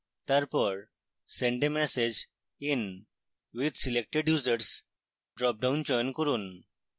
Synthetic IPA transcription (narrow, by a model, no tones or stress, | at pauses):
t̪aɾpəɾ | sẽɳɖdemɛsed͡ʑ | in | ʋid̪ʱsilek̚ʈeɖjuːzəɾs | ɖɾɔp̚ɖãwnt͡ɕɔjnkəɾuːn